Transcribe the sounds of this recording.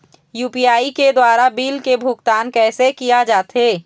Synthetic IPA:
juːpiaːiked̪waːɾabiːlkebʱʊkt̪aːnkɛːsekijad͡ʒaːt̪ɦeː

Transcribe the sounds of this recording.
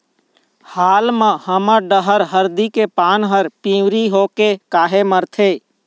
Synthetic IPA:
haːlmãhəməɖəɦəɾɦəɾd̪ikepaːnɦəɾpĩːwɾiɦoːkekaːɦeməɾt̪ʰeː

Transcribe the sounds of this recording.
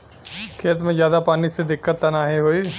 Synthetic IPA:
kʰeːt̪mẽːzjaːd̪aːpaːnised̪ɪkːət̪ːanaːɦeɦoːi

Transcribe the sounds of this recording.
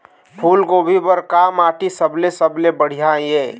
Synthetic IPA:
pʰulɡobʱibəɾkamaːʈisəblesəblebəɽ̤ijaieː

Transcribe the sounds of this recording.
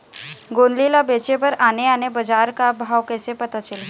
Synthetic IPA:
ɡoːnlilabet͡ʃepəɾaːneaːnebəd͡ʒaːɾkabʱaːʋkɛsepət̪at͡ʃəl

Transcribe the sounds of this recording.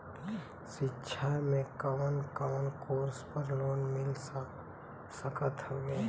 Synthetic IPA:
sɪtːʃʰamẽkəmənkəwənkoːɾspəɾloːnmɪl | səkət̪ɦoːɡeː

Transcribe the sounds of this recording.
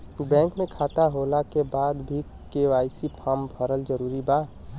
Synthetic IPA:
bɛ̃ŋkmẽkʰaːt̪aɦolakebaːd̪bʱi | keʋaːisipʰampʰəɾəld͡ʒəɾuːɾiba

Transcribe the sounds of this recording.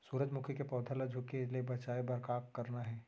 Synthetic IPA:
suːɾəd͡ʒmʊkʰjəkepɔːd̪ʱalɐd͡ʒʱʊkeliebɐt͡ʃaːebɐɾkaːkːɐɾnaɦɛː

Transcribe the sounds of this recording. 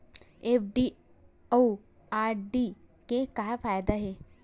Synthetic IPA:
efɖi | oː | aːɾɖi | kekaɦfaːjd̪aɦeː

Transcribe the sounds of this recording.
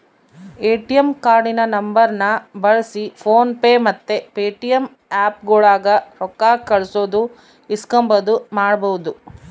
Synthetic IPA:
eːʈijɐmkaːɾɖinɐnɐmbɐɾnɐbɐɭɐsipʰoːnpeːmɐt̪ːepeːʈijɐm | aːp̚ɡuːɭaːɡɐɾɔkːaːkɐɭsoːd̪u | iskɐmbɐd̪umaːɽɐbɐwud̪u

